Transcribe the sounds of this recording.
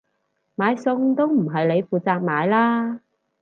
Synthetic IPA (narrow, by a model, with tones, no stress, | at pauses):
maː˨˧jsʊ˧ŋt̪o˥wm̩˨˩ɦɐ˨jle˨˧jfuː˨t͡saː˨˧k̚maː˨˧jlaː˥